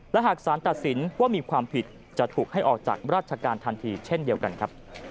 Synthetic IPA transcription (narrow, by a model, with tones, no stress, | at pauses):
lɛ˦˥ɦaː˨˩k̚saː˩˦nt̪a˨˩t̪̚si˩˦nwaː˥˩miː˧kʰwaː˧mpʰi˨˩t̪̚ | t͡ɕa˨˩t̪ʰuː˨˩k̚ha˥˩jʔɔː˨˩k̚t͡ɕa̰ː˨˩k̚ɾaː˥˩t̪̚t͡ɕʰa˧kaː˧nt̪ʰa˧nt̪ʰiː˧t͡ɕʰe˥˩ndi˧əwka˧nkʰɾa˦˥p̚